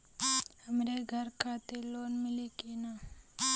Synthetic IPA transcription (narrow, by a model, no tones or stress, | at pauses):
həmɾeɡʱəɾkʰaːt̪eloːnmɪlikena